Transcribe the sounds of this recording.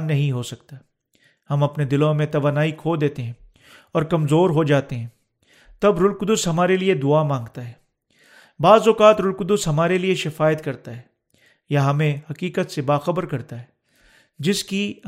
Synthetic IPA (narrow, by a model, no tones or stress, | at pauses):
nːɐɦĩɦosɐk̚t̪a | hɐmɐpned̪ɪlõmẽt̪ɐʋaːnaːikʰoːd̪eːt̪eɦɛ̃ː | ɔːɾkɐmzoːɾɦod͡ʒaːt̪eɦɛ̃ː | t̪ɐbɾʊlkʊd̪ʊsɦɐmaːɾelied̪ʊamãːŋɡt̪aɦɛː | baːzɔːkaːt̪ɾʊlkʊd̪ʊsɦɐmaːɾelieʃɪfaːjət̪kɐɾt̪aɦɛː | jaɦɐmẽhɐkiːkət̪sebaːxɐbəɾkɐɾt̪aɦɛː | d͡ʒɪski